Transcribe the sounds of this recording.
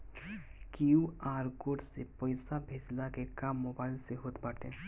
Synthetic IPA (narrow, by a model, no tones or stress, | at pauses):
kijuaːɾkoːɖsepəɪsabʱeːd͡ʒlakekaːmːoːbaːɪlseɦoːt̪baːʈḛ̃ː